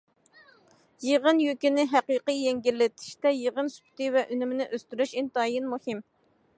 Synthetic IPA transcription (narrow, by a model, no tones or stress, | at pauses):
jeʁənjøkʲinɪɦæqiqijɛŋɡʲilːɪt̪ʰɪ̥ʃt̪ɛjeʁənsy̥pʰy̥t̪ɪvɛʔynymɪnɪʔøst̪yɾyʃint̪ɑːjinmuhɪm